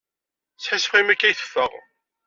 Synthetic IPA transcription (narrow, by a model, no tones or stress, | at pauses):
t͡sːħasəfimækːæjθə̥fːə̰ʁ